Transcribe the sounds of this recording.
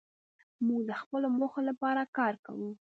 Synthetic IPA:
muɡd̪əxpəlomoxolapɑɾakɑɾka̰wu

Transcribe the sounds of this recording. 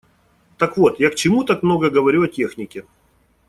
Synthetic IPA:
t̪əkvo̞t̪jakt͡ɕɪmut̪akmno̞ɡəɡəvɐɾʲuɐtʲe̞xnʲɪkʲɪ

